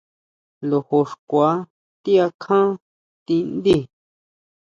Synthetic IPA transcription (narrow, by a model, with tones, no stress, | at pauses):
lo˨ho˧ʂkʷa˨˦ | t̪i˦a˧kʰã˦ | t̪ĩ˧nd̪i˦˨